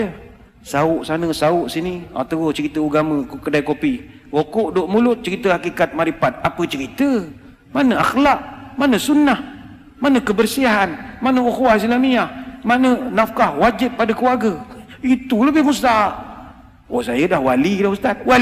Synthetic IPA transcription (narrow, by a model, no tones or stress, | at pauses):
saʊʔsanəsaʊʔsinia̰t̪awət͡ʃəɾit̪əuɡaməkədajkopi | wokoʔdoʔmulʊt̪̚t͡ʃəɾit̪əhakikat̪̚maɾipat̪̚apət͡ʃəɾit̪ə | manəaxlaʔ̚manəsunah | manəkəbərsiaɦanmanəukwahslamiahmanənafkahwad͡ʒɪt̪̚padəkəwarɡəit̪uləbɪhmust̪aʔ | osajədahwalidahmust̪at̪̚wa